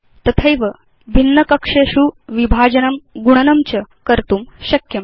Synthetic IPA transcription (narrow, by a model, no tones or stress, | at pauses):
t̪ɐt̪ʰəjʋə | bʱinːəkəkʂeɕuʋibʱad͡ʑənəmɡuɽ̃ənɐmt͡ɕəkəɾt̪uːmɕɐkjɐm